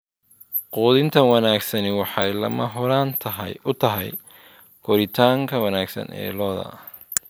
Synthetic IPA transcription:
quːðɪnt̪ʰɐwɑnaːɡsɐnɪwɑħɑjlɐ̰mɐɦɔɾaːnt̪ʰɐɦɐjʊt̪ʰɐɦɛj | kʰɔɾɪt̪ʰaːŋkʰɐwɐnaːɡsɐ̰nʔɛ̰ːlɔːðɐ̰

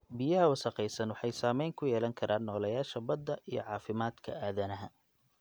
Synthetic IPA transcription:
bɪjɐɦɐwɑsɐqɛjsɐnwɑħɑjsaːmɛjŋkʰʊjɛːlɐŋkʰɐɾʔaːnːɔːlɐjaːʃɐbɐd̪ːɐʔijɔ̰ʕɑːfɪmaːd̪kʰɐ̰aːðɐnɐɦɐ

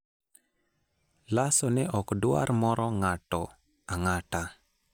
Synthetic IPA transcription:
lasɔnɛʔɔkdʊa̰rmɔɾɔŋatɔ | aŋata

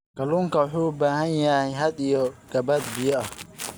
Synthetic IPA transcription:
kɐluːŋkʰɐwʊħuːbaːɦɐnjɐhɛjɦɐd̪ijɔɡ̥ɐbɐd̪bɪjɔɐh

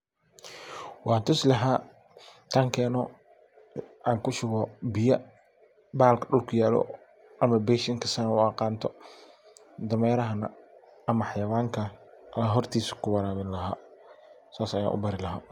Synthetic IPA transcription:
wɑːnt̪ʰʊslɐɦaː | t̪ʰaːŋkʰɛːnɔ | ʔaːŋkʰʊʃʊɣɔbɪjɐ | baːlkʰɐɗʊlkʰʊjaːlɔ̰ | ʔɐmɐbɛːʃɐŋkʰɐsɐnɐwqɑːnt̪ʰɔ | d̪ɐmɛːɾɐɦɐnɐ̰ | ɐmɐħɑjɐwaːŋkʰɐɦɔrt̪ʰiːsɐ̥kʰʊwɑɾaːβɪnlɐɦaː | saːsɐja̰ːʔʊ̰bɐɾɪlɐɦaː

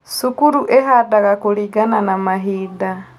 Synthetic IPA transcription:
sukuɾuʔeɦadaɣakuliɡananamaɦiːda

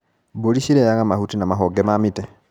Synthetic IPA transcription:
buliʃiɾejaŋamahutinamaɦoɡemamite

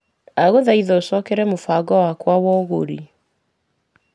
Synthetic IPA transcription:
aɣoðaiðɔosɔkɛɾɛmofaɡɔwakwawɔɣo̰ɾḭ

